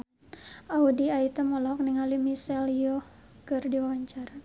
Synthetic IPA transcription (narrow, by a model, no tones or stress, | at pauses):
ʔaudiait̪amɔlɔk̚niŋalimisɛljɔ | kɨrdiwawaɲt͡ʃaɾa